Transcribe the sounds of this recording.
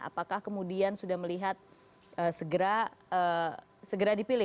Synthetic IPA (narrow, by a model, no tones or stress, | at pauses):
a̰pakahkəmudiansudahməliɦat̪̚ | əsəɡəɾaə | səɡəɾadipilɪ